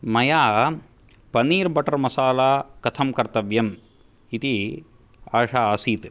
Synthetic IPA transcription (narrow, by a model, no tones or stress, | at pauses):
mɐjaː | pɐniːɾbɐʈɐɾmɐsaːlaːkɐt̪ʰɐmkɐɾt̪ɐʋjɐm | it̪i | aːʂaːaːsiːt̪